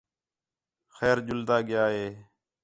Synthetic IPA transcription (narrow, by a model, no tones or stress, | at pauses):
xɛːɾd͡ʒʊld̪aːɡɪjaːɦeː